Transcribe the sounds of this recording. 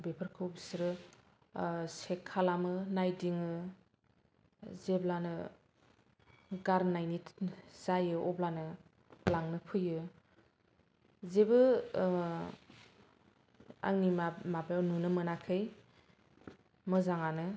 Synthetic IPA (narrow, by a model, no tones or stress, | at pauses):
bepʰɯɾkʰɯwbisɾɯ | sekʰːalamɯnajdiŋɯ | zeblanɯ | ɡaɾnajnitz̥ajɯɔblanɯ | laŋnɯpʰɯjɯ | zebɯ | a̰ŋnimamabajawnɯnɯmɯnakʰɯj | mɯzaŋanɯ